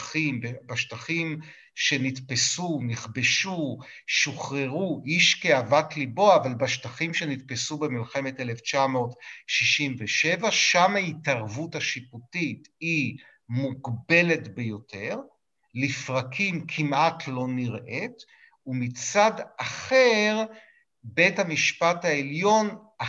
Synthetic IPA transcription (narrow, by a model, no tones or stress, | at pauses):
imbebaʃtaχim | ʃe̞nitpesuniχbe̞ʃu | ʃuχʁeʁuʔiʃkeavatlibo̞aːvalbaʃtaχimʃe̞nitpesubemilχeme̞teleft͡ʃamo̞ːtʃiʃimveʃe̞vaʃamaitaʁvutaʃiputiti | muɡbe̞le̞tbe̞jo̞tʰe̞ʁ | lifʁakʰimkʰimʔatʰlo̞niʁʔet | umit͡sadaχeʁ | be̞thamiʃpathaeljo̞n | a